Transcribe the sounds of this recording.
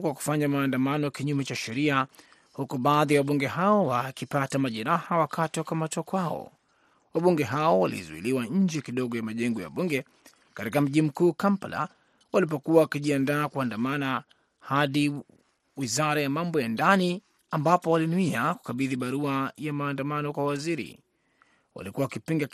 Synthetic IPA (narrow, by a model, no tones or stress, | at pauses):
kwaku̥faɲamaːndamanɔkiɲumɛt͡ʃaʃɛɾia | hukuɓaːðiawaɓuŋɡɛɦaɔwakipatamaʄɛɾahawakʰatiwakamatɔkwaɔ̰ | waɓuŋɡɛɦaɔwalḭzuḭliwaɲ̩d͡ʒɛkiɗɔɠɔjamaʄɛŋɡɔja̰ɓuŋɡɛ | katikam̩ʄim̩kuːkampala̰ | walipɔkuwawakiʄiandaːkuandamana | haɗi | wizaɾajamambɔjandani | ambapɔwalinuiaku̥kaɓiðiɓaɾuajamaːndamanɔkwawaziɾḭ | wa̰likuwawakipiŋɡa